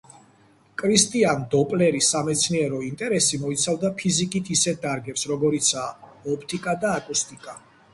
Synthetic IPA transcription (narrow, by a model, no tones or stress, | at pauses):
kʼɾist̪ʼiand̪ɔpʼlɛɾisamɛt̪sʰniɛɾɔint̪ʼɛɾɛsimɔit̪sʰavd̪apʰizikʼit̪ʰisɛt̪̚d̪aɾɡɛpsɾɔɡɔɾit̪sʰaːɔpʰt̪ʰʼikʼad̪aːkʼust̪ʼikʼa